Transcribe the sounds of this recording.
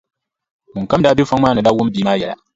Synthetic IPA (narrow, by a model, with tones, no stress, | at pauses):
ŋ̩˨ka˦m˦daː˦bje˦fa˦ŋmaː˦nɨ˨la˦wʊ˦m˦biː˨˦maː˦jɛ˨la̰˨